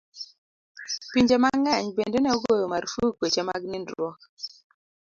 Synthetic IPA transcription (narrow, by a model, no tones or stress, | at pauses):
piɲd͡ʒemaŋɛɲbendenɛoɡojomaɾfukwet͡ʃema̰ɡnɪndwok